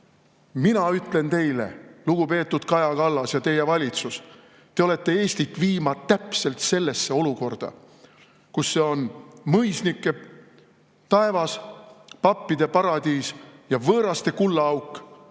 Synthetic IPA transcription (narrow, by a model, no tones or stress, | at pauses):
minɑyt̪ˑle̞nt̪e̞jle̞̰luɡ̥upe̞ːt̪ːˑud̪̥kɑjɑkɑlːɑsjɑt̪e̞je̞vɑlʲit̪sus | t̪e̞o̞le̞t̪ˑːe̞e̞ːst̪it̪ːˑviːmɑ̥t̪ːæpse̞lt̪se̞lːe̞sːe̞o̞luko̞rd̪̥ɑ̰ | kusːe̞o̞nmɤjsnikːˑe̞ | t̪ɑe̞vɑspɑpːid̪̥e̞pɑɾɑd̪̥iːsjɑvɤːɾɑst̪e̞kulːɑɑwkːˑ